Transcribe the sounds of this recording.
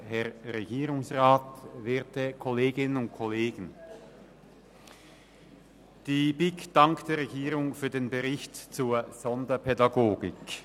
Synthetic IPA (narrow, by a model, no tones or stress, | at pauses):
hɛʁʁeɡiːʁʊŋsʁaːtveːɐtəkʰɔleːɡɪnənʊnt̚kʰoleːɡ̥ən̩ | d̥iːbɪkd̥aŋktd̥eːɐʁeɡiːʁʊŋfyːɐdeːnbəʁɪçtt͡suːɐz̥ɔndɐpʰɛdaɡoːɡɪk